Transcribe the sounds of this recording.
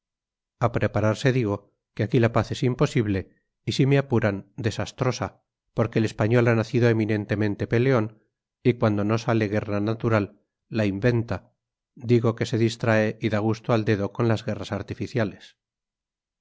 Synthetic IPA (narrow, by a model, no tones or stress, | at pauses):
apɾe̞paɾaɾse̞ðiɣo̞ | keakilapaθe̞simpo̞siβle̞ | isimeapuɾand̪e̞sast̪ɾo̞sa | po̞ɾke̞ːle̞spaɲo̞lanaθiðo̞e̞mĩnẽ̞nt̪e̞mẽ̞nt̪e̞pe̞le̞o̞n | ikwand̪o̞no̞sale̞ɣe̞rnanat̪uɾalː | aimbe̞nt̪a | d̪iɣo̞ke̞se̞ðist̪ɾae̞ʔiðaɣ̞ust̪oald̪e̞ðoko̞nlazɣe̞rasaɾt̪ifiθjale̞s